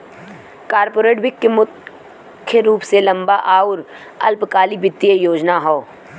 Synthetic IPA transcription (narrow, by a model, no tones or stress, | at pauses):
kaːɾpoːɾeːʈbɪkːemʊ | kʰːəɾuːpselɐ̃mbaʔaːʊɾ | ɐlpkaːlibɪt̪ːijejoːd͡ʒnaɦoː